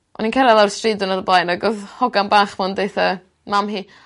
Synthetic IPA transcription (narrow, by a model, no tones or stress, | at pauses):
ʔɔ̰ninkʰɛlalˠawrstridʊnadəblˠajnaɡɔðhɔɡanbaːχvɔndejθa | mamhiː